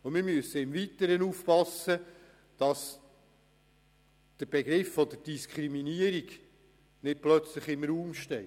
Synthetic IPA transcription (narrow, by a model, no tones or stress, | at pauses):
ʊmɪɾmyəsəɪmvitəɾənufpɑsːə | d̥ɑs | d̪̥əɾb̥eɡɾɪfːɔd̪əɾd̥iskʰχɾiminiəɾiɡ | nɪt̚plœt͡sləχɪmɾuːmʃtɛ